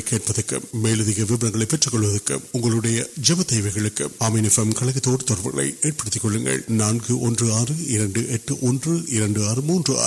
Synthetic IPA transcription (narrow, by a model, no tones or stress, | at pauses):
kːeːʈ̚pɐðɐkːɯ̰mːeːɻɯðɪɣɐʋɪbɐɾɐŋɡɐɭɐɪpːɛʈrɐkːɔɭːɯʋɐðɐkːɯ̰mʊŋɡɐɭɯɽɐjɐd͡ʒɛbɐt̪ɛːʋɐɪɣɐɭɯkːɯ̰maːmɛnɛfɛmkɐɭɐɣɯt̪ːoːɽɯt̪ɔɾɐɾpɐɣɐɭɐ̰ɪeːʈ̚pɐɽɯt̪ːɪkːɔɭːɯŋɡɐ̰ɭnaːnkɯʔɔndrɯaːrɯɪɾɐɳɖɯʔɛʈːɯʔɔndrɯʔɪɾɐɳɖɯaːrɯmuːndrɯa̰ː